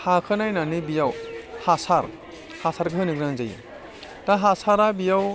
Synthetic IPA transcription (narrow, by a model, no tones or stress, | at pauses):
hakʰɯnajnanibijawhasaɾ | hasaɾɡɯɦɯniɡɾaŋzajṵ | taɦasaɾabijaw